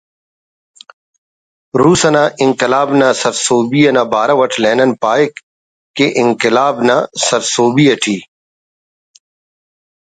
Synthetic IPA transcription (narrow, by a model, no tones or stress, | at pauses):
ɾuːsɐnãʔɪŋkɪlaːbnãːsɐɾsoːbiːɐnãːbaːɾɐʋɐʈʰleːnɐnpaːek | kːeʔɪŋkɪlaːbnaːsɐɾsoːbiːɐʈʰiː